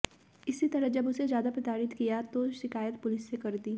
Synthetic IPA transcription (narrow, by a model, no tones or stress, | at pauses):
ɪsit̪ɐɾəd͡ʒɐbʊsezjaːd̪apɾɪt̪aːɾɪt̪kijat̪oʃɪkaːjət̪pʊlɪsːekɐɾd̪iː